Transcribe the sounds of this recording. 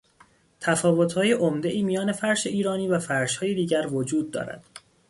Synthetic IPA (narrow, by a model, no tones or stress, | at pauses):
t̪ʰæfɒːvo̞t̪ʰhɒːjeʔomd̪e̞ʔiːmijɒːne̞fæɾʃeiːɾɒːniːvæfæɾʃhɒːjed̪iːɟæɾvod͡ʒuːd̪̚ːɒ̰ːɾæ̰d̪̥